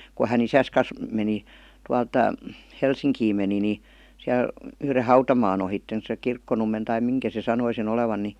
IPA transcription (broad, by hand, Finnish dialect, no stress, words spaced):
ku hæn isæs kɑs meni tuɑlt helsiŋkiːm meni ni siæl yhre hɑutɑmɑːn ohitːen se kirkːonumːen tɑi miŋkæ se sɑnoi sen oleʋɑn ni